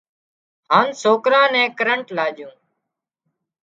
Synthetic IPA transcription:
haːnsoːkɾãːnɛ̃ːkəɾəɳʈlaːd͡ʒjũː

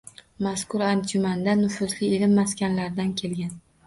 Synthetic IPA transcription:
maskʊɾand͡ʒʊmand̪anʊfʊzlɪelɪmːaskʲanlaɾd̪ankʲʰe̞lɡʲan

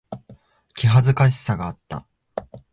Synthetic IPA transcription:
kʲiɦazɨkaɕ̬i̥saɡaːt̪ːa̰

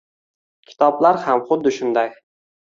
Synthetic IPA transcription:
kʲʰɪ̥t̪ʰɒblaɾhamχʊd̪ːɪʃʊnd̪aj

